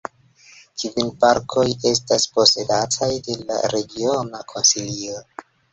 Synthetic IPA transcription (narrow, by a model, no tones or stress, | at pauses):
kʰiunpaɾkʰo̞je̞s̬taspo̞se̞datʰajde̞la̰ɾe̞ɡio̞nakʰo̞nsilio